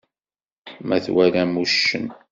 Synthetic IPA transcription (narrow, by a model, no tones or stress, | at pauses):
mæθwælæmuʃːə̰n